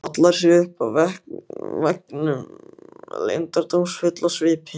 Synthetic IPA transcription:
at̪laɾ̥sɛʏhpavɛhkvɛknʏm | lḛjnt̪aɾt̪omsfʏt̪lasvɪːpɪ

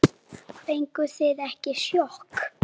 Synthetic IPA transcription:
pejŋkʏsɪðɛhcɪsjɔhk

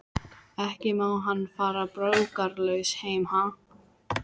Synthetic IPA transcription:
ɛhcɪmawɦanːfaːɾapɾœwkaɾlœɥsheːjmha

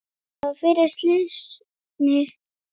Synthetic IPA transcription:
fɪɾɪ̥st̪lɪs | nɪ

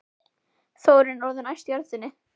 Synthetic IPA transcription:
θoːwɾɪnɔwɾðʏnajst̪jaɾðɪnːɪ

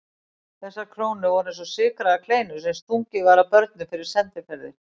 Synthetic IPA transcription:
θɛsːaɾkʰɾoːwnʏvɔɾɛns̬ɔsɪːkɾaðakʰleːjnʏ̥sɛmst̪ʰuŋcɪvaɾapœɾt̪̚nʏfɪɾɪɾ̥sɛnt̪ɪfɛɾðɪ

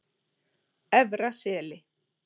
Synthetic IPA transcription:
ɛvɾasɛːlɪ

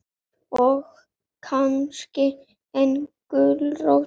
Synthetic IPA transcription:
ɔx | kʰanscɪ | ɛnkʏlrow

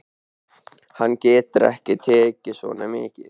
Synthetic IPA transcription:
hanːcɛːt̪ʏɾɛ̰hcɪt̪ʰeːcːɪso̰ːnamɪːcɪð

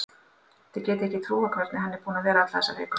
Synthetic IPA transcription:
θɪðcɛːt̪ɪɛhcːɪt̪ʰɾuːakʰvɛɾt̪nɪɦanːɛɾpuːnavɛːɾaat̪l̥θɛsːa̰vɛ̰ːk

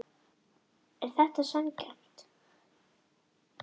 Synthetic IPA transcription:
ɛɾ̥θɛht̪asɛncɛ̰m̥t̪

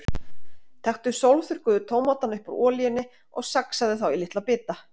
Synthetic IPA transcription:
t̪ʰɛxt̪ʏsowlθʏɾ̥kʏðʏt̪ʰoːwmat̪ːanʏhpɔɾɔːlijɪnːɪ | ɔ̰ɣsaksaðɪθawilɪht̪lapɪːt̪a

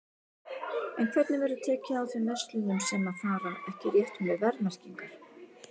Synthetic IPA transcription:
ɛnkʰv̥ɛt̪nɪvɛɾʏt̪ʰɛːcɪawθvɛmːɛst̪lʏnʏmsɛmaðθaːɾaɛhcɪrjɛht̪hunɪvɛɾnar̥ciŋkaɾ̥

